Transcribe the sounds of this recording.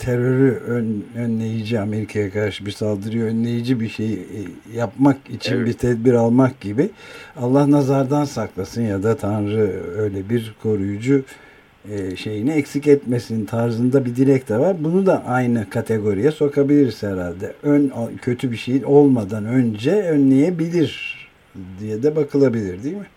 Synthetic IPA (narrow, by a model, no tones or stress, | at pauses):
t̪ʰeɾøɾyønønlʲe̞jid͡ʒiame̞ɾikʰajakʰad̪ɾʃɯbiɾsalˠd̪ɯɾɯjoønlʲe̞jid͡ʒibiʃej | japmakit͡ʃʰinbiɾt̪ʰɛd̪biɾalˠmak̚ɟibialˠːahnazaɾd̪ansaklˠasɯnjad̪at̪ʰanɾɯø̞jlʲɛbiɾkʰo̞ɾujud͡ʒu | ʃe̞jiniɛcsicɛt̪mesinnt̪ʰaɾzɯnd̪abid̪iɾɛc̚t̪ʰɛvaɾbunud̪aʔajnɯkʰat̪ʰe̞ɡo̞ɾijɛso̞kʰabilʲiɾshɛɾalʲd̪ɛʔønacʰø̞t̪ʰybiʃe̞jino̞lˠmad̪anø̞nd͡ʒɛønlʲe̞jebilʲiɾ | d̪ijɛd̪ɛbakʰɯlˠabilʲiɾd̪iːmɪ